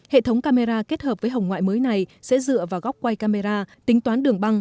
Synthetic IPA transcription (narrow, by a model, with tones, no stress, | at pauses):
hḛ˧˨t̪ʰə˨˦wŋ͡mkaː˧me˧zaː˧ke˦˥t̚həː˨˩p̚vəː˨˦jɦə˨˩wŋ͡mŋwa̰ː˧˨jməː˨˦jna˨˩jsɛ̰˧˥zɨ̰˧˨əvaː˨˩wɣa˦˥k͡p̚kwa˧jkaː˧me˧zaː˧t̪ï˨˦ŋt̪waː˨˦nɗɨ˨˩əŋɓa˧ŋ